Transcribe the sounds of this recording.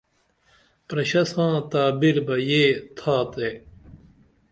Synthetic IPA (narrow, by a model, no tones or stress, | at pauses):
pɾɐɕɐsãːt̪aːbiɾbɐjeːt̪ʰaːt̪eː